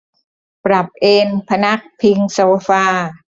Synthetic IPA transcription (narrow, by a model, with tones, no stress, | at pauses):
pɾa˨˩p̚ʔeː˧npʰa˧na˦˥k̚pʰi˧ŋsoː˧faː˧